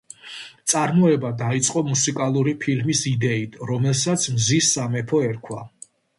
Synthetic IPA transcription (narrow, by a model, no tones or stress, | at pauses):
t̪sʼaɾmɔɛbad̪ait̪sʼqʼɔmusikʼalˠuɾipʰilmisid̪ɛit̪ʰɾɔmɛlˠsat̪sʰmzisːamɛpʰɔɛɾkʰwa